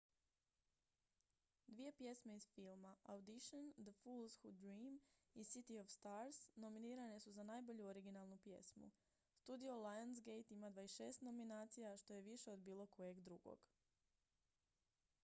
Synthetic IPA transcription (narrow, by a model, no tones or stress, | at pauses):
d̪ʋije̞pje̞sme̞iz̥filˠmaawd̪iʃond̪əfulˠzxud̪ɾiːmisit̪iofst̪aɾsno̞miniːɾane̞suzanajbo̞ʎuoɾiɡinalˠnupje̞̰smṵ | st̪ud̪iolˠajans̬ɡejt̪imad̪ʋaesʃe̞ːst̪no̞minaːt̪sijaʃt̪o̞je̞ʋiʃe̞o̞d̪biːlˠo̞ko̞je̞ɡd̪ɾuɡo̰ɡ̥